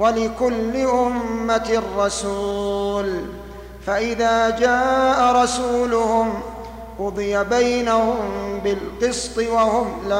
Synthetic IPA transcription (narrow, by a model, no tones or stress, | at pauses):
walɪkʊlːɪʔʊmːat̪rˤːɑsuːl | faʔɪðaːd͡ʒaːʔaɾˤɑsuːlʊhʊm | wʊd̪ˤɨjabajnahʊmbɪlqɨst̪ˤɨwahʊmla